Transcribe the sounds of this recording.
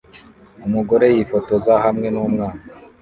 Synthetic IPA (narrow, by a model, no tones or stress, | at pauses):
umuɡo̞ɾe̞jifo̞to̞zahamŋe̞nuːmŋaːna